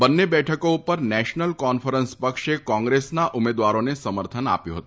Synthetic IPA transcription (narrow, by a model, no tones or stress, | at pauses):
bənːebɛʈʰəkoupəɾnɛʃnəlkɔnfəɾənspəkʃekɔ̃ŋɡɾesnaʔʊmed̪ʋaɾonesəməɾt̪ʰəna̰pjuɦət̪u